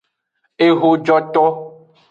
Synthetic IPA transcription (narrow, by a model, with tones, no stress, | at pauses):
e˨ɦo˨d͡ʒɔ˨t̪ɔ˦